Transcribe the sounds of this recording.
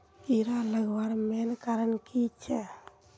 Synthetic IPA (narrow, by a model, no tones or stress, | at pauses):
iɾaləɡbaɾmenkaɾənkit͡ʃʰɛ